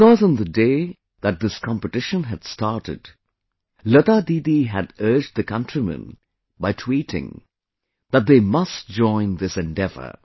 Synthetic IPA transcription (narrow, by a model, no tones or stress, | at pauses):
ɪkɔz̃n̩ðədeɪ | ðɨt̪̚ðɪskʰɑ̃mpɨtɪʃə̃nɦɨd̥stɑɹɾɨ̰d | lʌt̪ad̪id̪iɦɨdɜ˞d͡ʒ̚ðɨkʌ̃ntɹ̥imɨ̰̃n | baɪtʰwiɾɪ̰̃ŋ | ðət̚ðeɪmʌst̚d͡ʒɔ̃ɪ̃nðɪsɛ̃ndɛvə̰˞